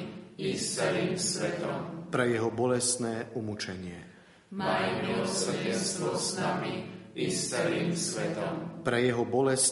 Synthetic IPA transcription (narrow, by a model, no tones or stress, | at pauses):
ist͡sɛliːmsʋɛt̪ɔmpɾɛjɛɦɔbɔlɛst̪nɛːʔumut͡ʃɛɲɪɛ | mmajmilɔsr̩ɟɛnst̪ʋɔsnamiist͡sɛliːmsʋɛt̪ɔmpɾɛjɛɦɔbɔlɛs